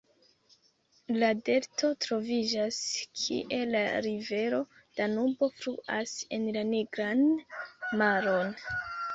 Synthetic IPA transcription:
lade̞ɾto̞tɾo̞vid͡ʒaskʰḭʔe̞laɾive̞ɾo̞ | d̥anubo̞fɾuʔase̞nlaniɡɾan | maɾo̞n

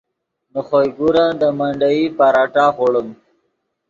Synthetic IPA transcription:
nuχojɡuɾãːd̪əmaɳɖaipaɾaʈaχoɽəm

